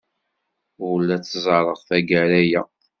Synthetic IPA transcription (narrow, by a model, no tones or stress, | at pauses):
ʊlːæt͡sːzˤɑɾˤəʁˤθæɡæɾæjæ